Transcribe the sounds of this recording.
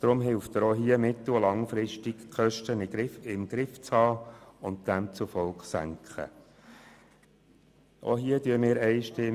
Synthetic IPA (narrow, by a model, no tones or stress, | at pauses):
d̥ɾʊmɦɪlft̪əɾoɦiəmɪt̪əlɑŋfɾɪʃtikkʰχœʃtənɪɡɪɪmɡ̥ɾɪft͡shɑːʊnt̚d̥æmt͡sʊfɔlkχsæ̰ŋkχə̰ | ʔo̰ɦiətyəmɪːɾɛɪʃtɪ